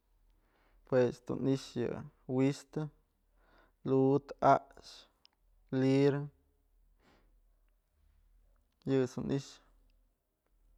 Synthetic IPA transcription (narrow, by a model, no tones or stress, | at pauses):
pwesd̪ṵniʃjɨ̰ | wist̪ɨ | lut̪aʔʃ | liɾ | jɨsunʔiʃ